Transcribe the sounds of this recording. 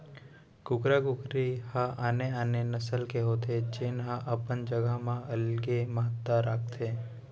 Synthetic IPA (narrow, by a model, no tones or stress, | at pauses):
ɡʊkɾaɡʊkɾihãʔaːneaːnenəsəlkeɦoːt̪ʰed͡ʒenɦãʔəpənd͡ʒəɡəmãʔəlɡeməɦət̪ːaɾaːkt̪ʰeː